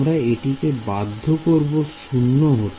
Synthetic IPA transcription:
mɾaeʈikebad̪ʱːokoɾboʃunːoɦot̪

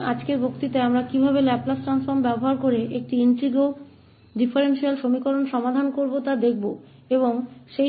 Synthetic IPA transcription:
ad͡ʑkeɾbʱokt̪it̪eamɾakibʱaβelɛplasʈɾansfoɾmbɛboɦaɾkoɾeʔek̚ʈiinʈɾiɡo | ɖifʰaɾenʃialʃomikoɾonʃɔmad̪ʱankoɾbot̪ad̪ek̚ʰbo | eboŋʃe

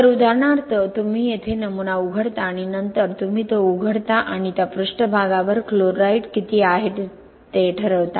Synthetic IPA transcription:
əɾud̪ʱaɾɳ̃aɾt̪ət̪um̤iːjet̪ʰenəmunauɡʱəɽt̪aːɽ̃inənt̪əɾt̪um̤iːt̪əuɡʱəɽt̪aʔaɽ̃it̪japɾuʂʈəbʱaɡaʋəɾkloɾːaiʈkit̪iːaɦeʈ | t̪eʈʰəɾəʋt̪a

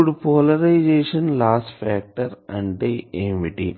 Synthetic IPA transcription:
uɖpoːlɐɾaɪd͡ʒeːʃɐ̃nlaːsʈfæːk̚ʈɐɾɐ̃ɳɖɖeẽnʋiʈi

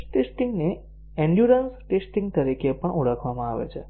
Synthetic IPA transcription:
ʈesʈiŋɡne | ẽɳɖjuɾənsʈesʈĩŋɡ̚t̪əɾikepəɳʔuɽəkʰʋamãaʋḛt͡ʃʰe

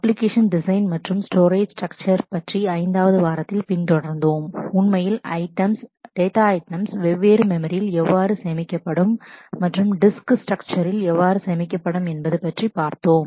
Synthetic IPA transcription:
ɐpːlɪkeːʂɐnɖɪsɐɪnmɐʈrɯmsʈoːɾeːd͡ʒsʈrɐk̚t͡ʃɐɾpɐʈriɐɪnd̪aːʋɐðɯʋaːɾɐt̪ːɪlpɪnt̪ɔɽɐɾnd̪oːmʊnmɐjɪlɐ̰ɪʈɐmsɖ̥eːt̪aːɐɪʈɐmsʋɛʋːeːɾɯmɛmɐɾɪjɪlɛʋːaːɾɯsɛjɐmɪkʲːɐpːɐɽɯmːɐʈrɯmɖɪsksʈrɐk̚t͡ʃɐɾɪlɛʋːaːɾɯsɐjɐmɪkʲːɐpːɐɽɯmɛnbɐðɯpːɐʈripaːɾt̪oːm

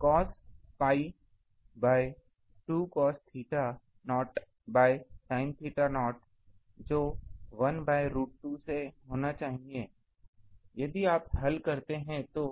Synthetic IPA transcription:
kɔːspaːi | baːɪ | ʈuːkɔːst̪ʰiːʈa | nɔːʈ | baːɪsaːɪ̃nt̪ʰiːʈanɔːʈ | d͡ʒoːʋɐnbaːɪɾuːʈ̚ʈːuseɦoːnat͡ʃaːɦieː | jɐd̪iaːpɦɐlkɐɾt̪eɦɛ̃t̪oː

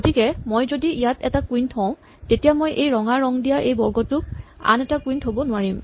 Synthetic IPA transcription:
ɡotikɛmojzodiijatɛtakuintʰɔ̃ʊ̃ | tetijamojʔejɹɔŋaɹɔŋdijaʔejbɔɹɡɔtʊk̚a̰nɛtakwintɦobɔnʊaɹim

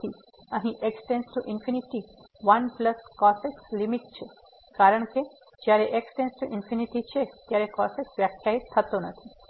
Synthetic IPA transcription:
i | əɦĩʔeksʈensʈuʔɪnfʰiniʈi | ʋɐnpləskɔsekslimiʈt͡ʃʰe | kaɾəɳ̃ke | d͡ʒjaɾeʔeksʈensʈuʔinfiniʈit͡ʃʰet̪jaɾekɔseksʋjakʰːjaɦit̪ʰːət̪onət̪ʰi

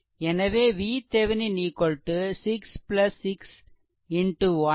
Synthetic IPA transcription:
ɛnɐʋeːʋiːt̪ɛʋɪniniːkːɔɭʈːɯsɪkspɪlɐsːɪks | ɪɳʈuʋɐ

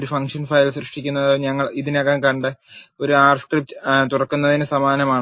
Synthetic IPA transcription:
ɾufɐŋkʂɐnfɐjlsɾɨʂʈikʲːunːɐðoɲɐŋːɐɭiðineɣeːŋkɐɳɖɨoɾuaːrskrip̚t̪ɨt̪urɐkːunːɐðinɨsɐmaːnɐmaːɳɨ

